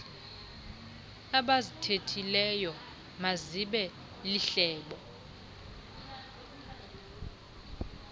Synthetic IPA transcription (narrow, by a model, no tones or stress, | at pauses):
aɓazitʰetʰilɛjɔ | maziɓɛ | liɬɛːɓɔ